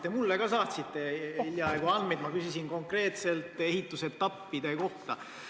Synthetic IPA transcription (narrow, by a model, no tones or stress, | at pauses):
t̪ːe̞mulːekɑsɑːt̪sit̪ːe̞iljɑɑjɡuɑnmejd̪mɑkysisinko̞ŋkre̞ːt̪se̞lt̪ːˑe̞ɦit̪ːˑuse̞t̪ːɑpːid̪eko̞ht̪ɑ